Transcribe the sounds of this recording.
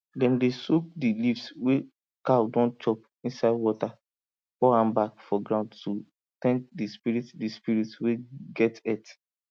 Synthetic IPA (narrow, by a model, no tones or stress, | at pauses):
dɛ̃ndesuk̚dilifswe | kaldɔ̃nt͡ʃɔp̚ | ĩnsaɪdwɔta | fɔãmbakfɔɡɹãʊ̃ndtu | tɛ̃nk̚dispiɾitdispiɾitweɡɛtɛt